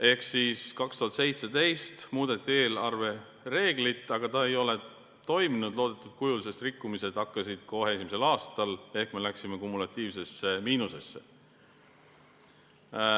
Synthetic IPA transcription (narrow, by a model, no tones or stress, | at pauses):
e̞hksiːskɑkst̪uɦɑt̪se̞jt̪se̞t̪e̞jst̪muːd̪̥e̞t̪ːˑie̞ːlɑrve̞ | re̞ːɡ̥lit̪ːˑɑɡ̥ɑt̪ɑe̞jo̞le̞ | t̪o̞jminud̪̥lo̞ːd̪e̞t̪ːˑud̪̥̚kujulise̞st̪rikːumise̞d̪̥ɑkːɑsid̪̥̚ko̞ɦe̞es̬ʲimiselɑːst̪ɑle̞hkme̞læksime̞kumːulɑt̪ʲːˑiːvse̞sːe̞miːnuse̞sːḛ